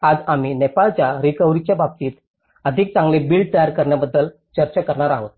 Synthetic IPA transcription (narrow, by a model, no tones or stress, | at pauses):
ad͡zamiːnepalt͡ɕjaɾikəʋɾit͡ɕjabab̚t̪iːt̪ | əd̪ʱik̚t͡sãŋɡlebiːlɖ̚t̪əjaɾkəɾɳjabəd̪ːəl | t͡ɕəɾt͡ɕakəɾɳaɾaɦo